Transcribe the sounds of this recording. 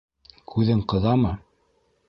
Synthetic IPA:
kʰʉðɘɴqɤ̆ðɑmɤ

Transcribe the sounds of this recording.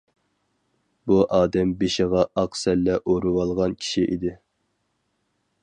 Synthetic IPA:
buʔɑːd̪ɛmbeʃɪʁɑʔɑqsɛlːɛʔoɾuwɑlˠʁɑnkʲʰi̥ʃiʔid̪ɪ

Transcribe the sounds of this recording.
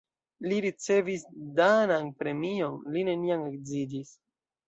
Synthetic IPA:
liɾit͡se̞visdananpɾe̞mio̞nline̞niame̞kzidis

